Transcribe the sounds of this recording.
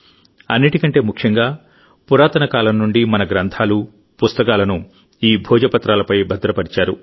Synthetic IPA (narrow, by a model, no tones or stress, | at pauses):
ɐnːiʈikɐɳʈe̞ːmukʰjɐŋɡaː | puɾaːt̪ɐnɐkaːlɐmnnuɳɖimɐnɐɡɾɐnt̪ʰaːlu | pust̪ɐkaːlɐnu | iːbʱɔːd͡ʒɐpɐt̪ɾaːlɐpɐjbʱɐd̪ɾɐpɐɾit͡ʃaːɾṵ